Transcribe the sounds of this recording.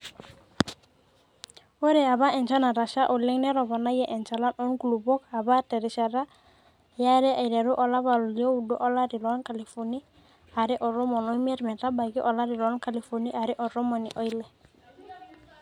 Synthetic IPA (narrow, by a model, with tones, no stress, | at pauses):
o˦ɾɛ˨a˨βa˦ɛ˨nt͡ʃa˦na˨ɾa˨ʃa˦ʔɔ˨lɛ˦ŋnɛ˦ɾɔ˨βɔ˨na˦jɛ˦˨ʔɛ˨nt͡ʃa˨la˦nʔɔ˦nɡu˨lu˨bɔ˦ka˨βa˦tɛ˨ɾɪ˨ʃa˨ɾa˦˨ | ja˦ɾɛ˦ʔa˨i˨lɛ˨ɾu˦ʔɔ˨la˦βa˨lu˨li˨o˦u˨dɔ˦ʔɔ˦la˦ɾi˨lɔ˦nka˨li˨fɔ˨ni˦ | a˨ɾɛ˦ʔɔ˨ɾɔ˦mɔ˨nɔ˦i˦mi˦ɛ˦ɾmɛ˨ɾa˦ba˨ɡi˦ʔɔ˨la˦ɾi˨lɔ˦nka˨li˨fɔ˨ni˦ʔa˨ɾɛ˦ʔɔ˨ɾɔ˦mɔ˨nḭ˨ʔɔ˦jlɛ˨